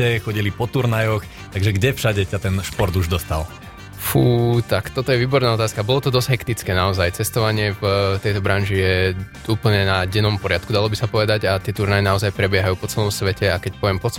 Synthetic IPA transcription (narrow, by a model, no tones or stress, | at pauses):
ɛxɔɟilipɔt̪uɾnajɔx | t̪aɡʒɛɡɟɛfʃaɟɛcat̪ɛnʃpɔɾd̪uʒd̪ɔst̪a̰l | fuːt̪akt̪ɔt̪ɔjɛʋiːbɔɾnaːɔt̪aːskabɔlɔt̪ɔd̪ɔz̥ɦɛkt̪it͡skɛːnaɔzajt͡sɛst̪ɔʋaɲɪɛvt̪ɛjt̪ɔbɾanʒijɛ | ʔuːpl̩ɲɛnaɟɛnɔmpɔɾɪat̪̚kud̪alɔbisapɔʋɛd̪aɟat̪ɪɛt̪uɾnajɛnaɔzajpɾɛbɪɛɦajuːpɔt͡sɛlɔmsʋɛcɛakɛcpɔʋɪɛmpɔt͡s